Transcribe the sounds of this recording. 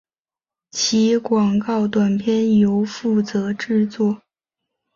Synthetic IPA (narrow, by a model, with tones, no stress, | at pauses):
t͡ɕʰi˧˥kwɑ˨˩ŋkɑ˥˩ʊt̪wa˨˩npʰjɛ˥˩njo˧˥ʊfu˥˩t͡sɤ˧˥ʈ͡ʂɻ̩˥˧t͡swɔ˥˩